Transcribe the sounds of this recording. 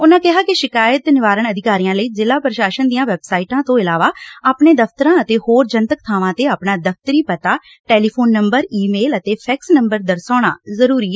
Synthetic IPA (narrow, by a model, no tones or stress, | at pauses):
ʊnãːkɪɦaːkɪʃɪkaːjət̪nɪʋaːɾəɳəd̪ɪkaːɾijãːləiːzɪlaːpɾəʃaːʃənd̪ijãːʋɛːbsaːiːʈãːt̪õːɪlaːʋaːaːpɳeːd̪əfʰt̪əɾãːət̪eːhoːɾd͡ʒənt̪ək̚t̪ʰaːʋãːt̪eːaːpnaːd̪əf̚ʰt̪əɾiːpət̪aː | ʈɛːliːpʰoːnːəmbəɾiːmeːlət̪eːpʰɛːksnəmbəɾd̪əɾsaːɽ̃a̰ːzəɾuːɾiːɛ